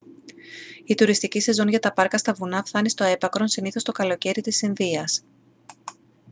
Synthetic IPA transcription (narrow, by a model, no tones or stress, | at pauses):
it̪uɾist̪icise̞zo̞nʝɐt̪ɐpɐɾkɐst̪ɐvunɐfθɐnist̪o̞e̞pɐkɾo̞nsiniθo̞st̪o̞kɐlo̞ce̞ɾit̪isinðiɐs